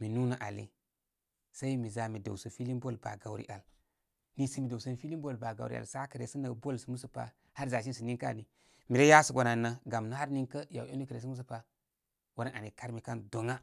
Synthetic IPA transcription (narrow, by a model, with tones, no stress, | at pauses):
mi˨nu˦na˦ʔa˨lḭ˨ | sa˦i˦mi˨za˨mi˨do̰˨sə˨fi˦li˦nbo˦˨lba̰˨ɡa˨wɾḭ˦ʔa˨l | ni˦si˦mi˨do˨sə˦nfi˦li˦mbo˦˨lba˨ɡa̰˨wɾḭ˦a̰˨lsa˦kə˨ɾḛ˨si˦nə˨˦bo˦lsi˨mu˦su˨pa̰˨ | ha˦ɾza˨ʃ̬i˦n˨si˨ni˦ŋka̰˦˨ni˨ | mi˨ɾe˦ja˦su˨ɡʷo˨na˨nːa˦ɡa˨mna˦ha˦ɾni˦ŋkə˦ja˨wo˦ni˦kə˨ɾe˨si˦mu˦su˦pa˨ | wa˨ɾa˦na˨ni˨ka˦ɾmi˨ka˦ndo˨ŋa˦